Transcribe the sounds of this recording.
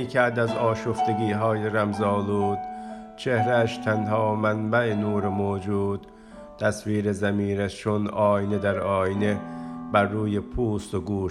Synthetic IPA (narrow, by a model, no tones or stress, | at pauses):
iːkʰæɾd̪æzɒːʃoft̪eɡiːɦɒːjeɾæmzɒːluːd̪̥t͡ʃʰehɾææʃt̪ʰænɦɒːmænbæʔenuːɾemoːd͡ʒuːd̪̥ | t̪ʰæsviːɾezæmiːɾæst͡ʃʰonɒːjined̪æɾɒːjinebæɾːuːjepʰuːst̪oɡuːʃ